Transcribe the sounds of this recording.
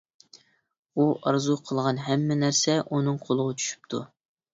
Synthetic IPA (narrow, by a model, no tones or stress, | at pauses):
uʔɑɾzuqʰəlˠʁɑnɦɛmːɪnæɾsɛʔunɨŋqʰolˠəʁɑt͡ʃʰy̥ʃy̥p̚t̪ʰu